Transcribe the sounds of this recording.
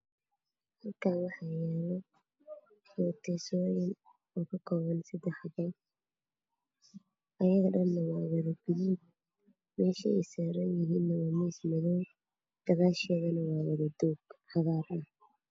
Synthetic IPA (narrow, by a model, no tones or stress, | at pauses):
hɐlkʰaːnwɑħɑjɛːlɔ | ħɔːt̪ʰɛsɔːjɪn | ɔːkʰɐkʰɔːβɐnsɐd̪ɛħbɐj | ʔɐjɐɣɐɗɐnːɐwɑːwɐðɐbɪlɪn | mɛːʃɐɛjsaːɾɐnjɪɦiːnːɐwaːmɛsmɐðɔw | d̪̥ɐɣaːʃɛɣɐnɐwɑːwɐðɐd̪ɔːɡħɑðaːɾʔɐh